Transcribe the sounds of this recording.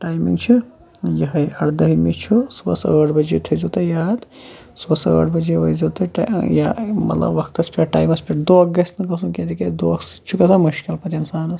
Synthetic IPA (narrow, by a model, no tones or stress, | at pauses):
ʈaːjmḭŋɡt͡ʃʰi | jɐɦɐjɐɽd̪ɐɦimit͡ʃʰusbɐ̰səːʈʰbɐd͡ʒet̪ʰɐzɐt̪ɐjaːt̪ | sbɐsə̰ːʈʰbɐd͡ʒeʋɐjzɐt̪ɐʈjamɐ̰t̪lɐ̰bːɐkʰt̪ɐspiʈʈa̰ːjmɐspʰʲiʈd̪oɐk̚ɡɐsnɐkɐsunked̪iked̪oɐksi̥t͡ʃʰukɐsamɐʃkilpɐt̪insaːnɐs